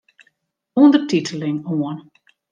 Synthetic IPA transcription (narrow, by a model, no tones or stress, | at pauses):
ɔndərtitʰəlɪŋoən